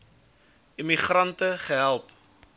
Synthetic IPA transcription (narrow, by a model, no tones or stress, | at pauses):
imiχrɐntəχəɦælˠp